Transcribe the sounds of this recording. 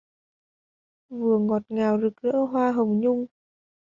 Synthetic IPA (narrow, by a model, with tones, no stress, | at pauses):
vɨ˨˩əŋɔ˨˩t̚ŋaː˨˩wzɨ˨˩k̚zə̰ː˧˥ɦwaː˧ɦə˨˩wŋ͡mɲʊ˧ŋ͡m